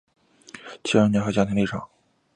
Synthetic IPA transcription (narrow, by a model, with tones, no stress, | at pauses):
t͡ɕʰi˧˥a˥nɛ˧˥xa˧˥t͡ɕja˥t̪ʰi˥li˥˩ʈ͡ʂʰɑ̰˨˩˦ŋ